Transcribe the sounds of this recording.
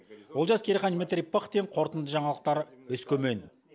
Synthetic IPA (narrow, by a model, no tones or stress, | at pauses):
wo̞lˠʒɑskʲʰeɾeχɑnimet̪ɾʲijpːəχt̪eɴqʰo̞ɾt̪ənd̪əʒɑɴɑlˠəq̚t̪ɑɾɵskʲʰɵmen